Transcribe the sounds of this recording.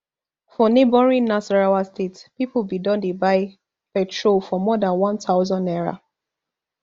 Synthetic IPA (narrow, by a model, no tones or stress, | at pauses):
fɔnebɔɹĩnːasɔɹawastetpipubidɔ̃ndebaɪ | pɛtɹolfɔmɔdãnwãntaʊzɔ̃ndɛɹa̰